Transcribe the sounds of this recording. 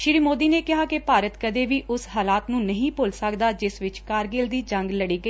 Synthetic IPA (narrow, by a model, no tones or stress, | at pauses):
ʃɪɾiːmoːd̪iːneːkɪɦaːkɪpaːɾət̪kəd̪eːʋiːʔʊsɦaːlaːt̪nũːnəɦĩːpʊlsəkd̪aːd͡ʒɪsʋɪt͡ʃkaːɾɡeːld̪iːd͡ʒə̃ŋɡləɽiːɡəiː